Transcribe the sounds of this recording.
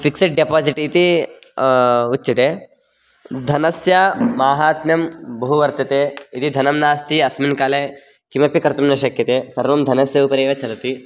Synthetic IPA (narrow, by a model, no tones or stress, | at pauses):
fikseʈ̚ɖepaːziʈit̪i | utːt͡ʃːɐt̪eː | d̪ʱɐnɐsjɐmaːɦaːt̪njɐmbɐɦuʋɐɾt̪ɐt̪eːit̪id̪ʱɐnɐmnaːst̪ʰiɐsminkaːleː | kimɐpikɐɾt̪ɐmnɐʃɐkjɐt̪eːsɐɾʋɐmd̪ʱɐnɐsjɐupɐɾeːʋɐt͡ʃɐɾɐt̪i